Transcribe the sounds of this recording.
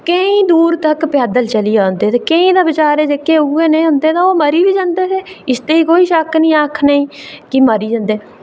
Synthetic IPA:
kəĩːd̪uːɾt̪əkpjaːd̪əlt͡ʃəliːaːnd̪eːt̪eːkəĩːd̪aːbət͡ʃaːɾeːd͡ʒekːeːʊeːnẽːɦʊ̃nd̪eːd̪aːoːməɾiːʋiːd͡ʒãːnd̪eːseːɪst̪eːiːkoːiːʃəknĩːaːkʰnəĩːkiməɾiːd͡ʒãːnd̪eː

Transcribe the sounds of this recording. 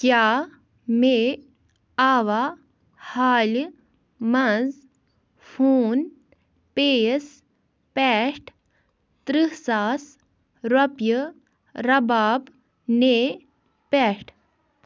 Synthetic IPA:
kjaː | meː | aːʋaː | haːl | mɐz | fʰuːn | peːs | pɛːʂʈ | t̪ɾiɦsaːs | ɾɐpjə | ɾɐbaːb | neː | pɛːʂʈʰ

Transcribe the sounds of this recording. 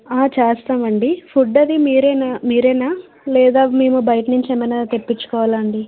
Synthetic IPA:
aːt͡ʃaːst̪aːmɐɳɖipʰuɖːɐd̪imiːɾɛːnamiːɾɛːnaː | lɛːd̪aːmeːmubɐjʈnuɲt͡ʃɛːmɐjnaːt̪epːit͡ʃːu̥kɔːʋaːlɐɳɖi

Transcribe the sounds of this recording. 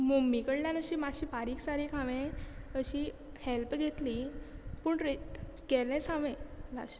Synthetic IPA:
momːikəɽljãnəɕiːmaɕiːfaɾiːksaɾikʰaʋẽəɕi | helpɡʱet̪lipuːɳɾet̪ | kɛlɛ̃saʋẽla̰ɕi̥

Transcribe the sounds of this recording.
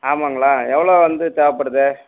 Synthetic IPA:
aːmaːŋɡɐɭaːɛʋːɐɭoːʋɐnd̪ɯt̪aːʋɐpːɐɽɯðɯ

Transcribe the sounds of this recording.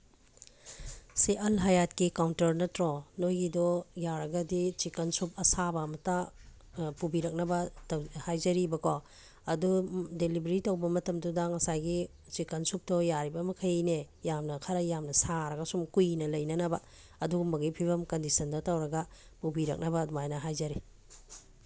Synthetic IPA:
siʔɐlɦajat̚kikawntɐɾnɐtɾɔnojɡidɔjaɾɐɡɐdit͡ʃikɐnsup̚ɐsabɐːmɐta | pubiɾɐk̚nɐbɐthajzɐɾibɐkʰɔ | ɐdudelibɾitɐwbɐmɐtɐmdudɐŋɐsajɡi | t͡ʃikɐnsup̚dɔjaɾibɐmɐkʰɐjne | jamnɐkʰɐɾɐjamnɐsaɾɐɡɐsumkujnɐlɐjnɐnɐbɐ | ɐduɡmɐɡipʰibɐmkɐndisɐndɐtawɾɐɡɐ | pubiɾɐ̰k̚nɐbɐdumajnɐɦajzɐɾi

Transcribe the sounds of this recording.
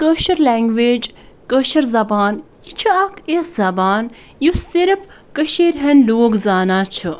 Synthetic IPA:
kəːʃɐɾleːŋɡʋeːd͡ʒ | kəːʃɐɾzɐbaːnjit͡ʃʰɨɐkʰeszɐbaːn | jusiɾf | kəʃeːɾɦɐnloːɡzaːnaːt͡ʃʰɨ

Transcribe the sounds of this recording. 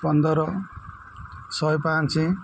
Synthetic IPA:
pʌnd̪ʌɾʌ | sʌjpãnt͡sĩ

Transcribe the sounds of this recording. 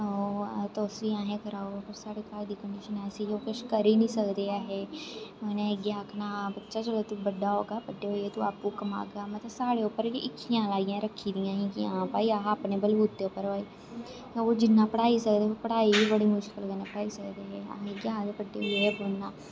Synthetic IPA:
oːt̪oːsʋiãːɦẽkəɾaːopəɾsaːɽeːkaːld̪iːkəɳɖɪʃənaːsijoːkʊʃkəɾiːnĩːsəkd̪eːaːɦɛːonẽeɡjaːkʰnaːbətːʃaːt͡ʃəlet̪ubəɖːaːɦo̰ːɡaːbəɖːeoːeːt̪ua̰ːpukəma̰ːɡaːmət̪ləbsaːɽeːʊpːəɾiʔɪkʰːijãːlaːɡijãːɾəkʰːiːd̪ijãːɦĩkiãpaːiaːaːpneːbəlbuːt̪ːeopːəɾʋaːiː | jaoːd͡ʒɪnːãːpəɽaːisək̚d̪eɦopəɽaːibibəɽiːmʊʃkəlɡənãːpəɽaːisəkd̪eɦɛːa̰eɡjaːd̪ebəɖːḛeɛboːnnaː

